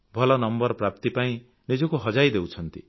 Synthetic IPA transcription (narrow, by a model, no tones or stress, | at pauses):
bʱɔlɔnʌmbɔɾpɾapt̪ipaĩ | nid͡ʒɔkuɦʌd͡ʒajd̪ewt͡ʃʰʌnt̪i